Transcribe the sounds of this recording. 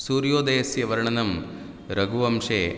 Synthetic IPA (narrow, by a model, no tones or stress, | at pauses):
suːɾjoːd̪eːsjɐʋɐɾɐɳɐnɐm | ɾɐɡuʋɐmʂeː